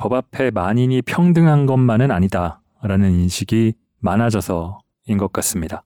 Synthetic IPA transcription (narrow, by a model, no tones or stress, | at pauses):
pʌbapʰe̞maɲiɲipʰjʌŋdɯŋɦanɡʌnmanɯnaɲida | ɾanɯninɕʰiɡi | manad͡ʑʌsʰʌ | inɡʌt̚k͈as͈ɯmɲida